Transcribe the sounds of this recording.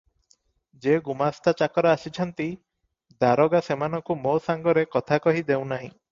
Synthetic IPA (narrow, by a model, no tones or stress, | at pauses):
d͡ʒeɡumast̪ʰat͡ʃakɔɾɔasit͡ʃʰɔnt̪i | d̪aɾɔɡasemanɔŋkumosaŋɡɔɾekɔt̪ʰakɔɦid̪ew̃naɦĩ